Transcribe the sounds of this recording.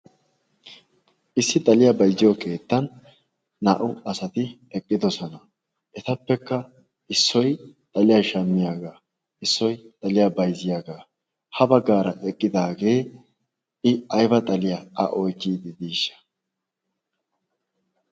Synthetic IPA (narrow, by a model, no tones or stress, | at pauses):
ʔɪsːɪt̪ʼɐlɪjɐbɐjzɪjokʰe̞ːt̪ːɐnː | a̰ːʔʊɐsɐt̪ɪ | ɛkʼːɪd̪ɔsɔnɐ | ʔɛt̪ɐpːɛkːɐ | ʔɪsːɔjt̪ʼɐlɪjɐʃɐmːɪjaːɡaː | ɪsːɔjt̪ʼɐlɪjabɐjzɪjaːɡaː | hɐbɐɡːaːɾɐʔɛkʼːɪd̪aːɡe̞ː | ɪɐjbɐt̪ʼɐlɪjaʔɐ̰ʔɔjkːiːd̪ɪd̪iːʃːɐ̥